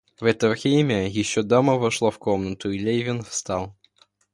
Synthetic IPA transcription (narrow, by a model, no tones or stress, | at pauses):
vɛt̪ɐvxʲejmʲɪjɪɕːɔd̪amɐvɐʂlˠafkɔmnət̪ʊilʲejvʲɪnfst̪alˠ